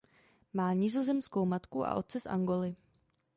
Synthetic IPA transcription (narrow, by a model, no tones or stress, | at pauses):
maːɲizo̞zɛmsko̞wmat̪kuʔa̰ʔo̞t̪̚t͡sɛsʔa̰ŋɡo̞lɪ